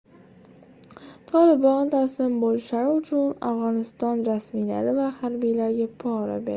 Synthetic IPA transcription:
t̪ʰɒlɪbɒnt̪ʰaslɪmbolɪʃaɾɪʊt͡ʃʰʊna̰fʁɒnɪst̪ɒnɾasmijla̰ɾɪvahaɾbijlaɾɡʲapʰɒɾa̰beɾ

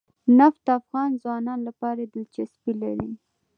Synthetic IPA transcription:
naft̪afɣɑnzwɑnɑnlapɑɾad̪əlt͡ʃaspila̰ɾi

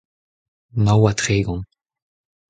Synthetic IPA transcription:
mawat̪χeːɡɔ̃ŋ

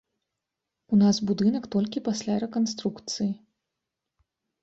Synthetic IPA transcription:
unasbud̪ɨnɐkt̪ɔlʲkʲipasʲlʲaɾɛkɔns̬t̪ɾukt̪sɨji

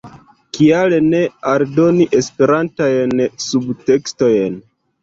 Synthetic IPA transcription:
kialene̞aɾdo̞niʔe̞spe̞ɾantajnsubte̞ksto̞jn

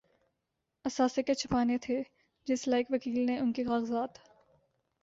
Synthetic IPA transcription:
ɐsaːseket͡ʃʰɐpaːnet̪ʰe | d͡ʒɪslaːɪkʋɐkiːlneʊnkikaːɣəzaːt̪

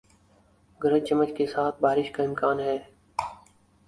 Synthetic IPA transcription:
ɡəɾət͡ʃəmːət͡ʃkesaːt̪̚ʰbaːɾɪʃkaɪmkaːnɦɛː

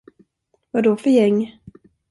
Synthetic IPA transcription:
vadɔfœɾjɛŋː

